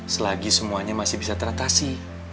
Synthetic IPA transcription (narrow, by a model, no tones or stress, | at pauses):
səlaɡisəmuaɲamasɪhbisat̪əɾat̪asi